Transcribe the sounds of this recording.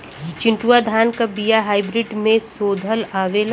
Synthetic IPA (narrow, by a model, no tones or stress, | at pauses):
t͡ʃɪ̃ɳʈuwad̪ʱaːnkabijaɦaːɪbɾɪɖmẽsoːd̪ʱəlaːʋeːl